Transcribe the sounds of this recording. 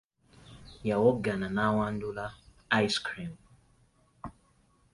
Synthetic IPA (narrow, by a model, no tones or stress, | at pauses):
jawɔɡananawan̩dula | ajskɾim